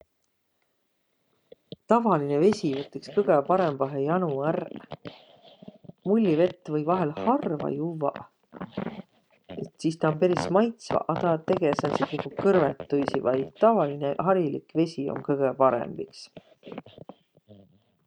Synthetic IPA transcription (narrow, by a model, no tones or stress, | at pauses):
t̪ɑvɑline̞ve̞sʲivɤt̪ːˑekskɤɡ̥e̞pɑɾe̞mb̥ɑɦejɑnuær | mulʲːive̞t̪ːˑvɤjvɑɦe̞lhɑrvɑ̰juvɑ̰ʔ | et̪sist̪ɑompe̞ɾismɑjt̪svɑ̰ʔɑd̪ɑt̪e̞ɡesensikukukɤrvet̪ːujsivɑjt̪ɑvɑlineɦɑɾilḭkve̞sʲio̞̰nkɤɡ̥epɑɾḛmb̥iks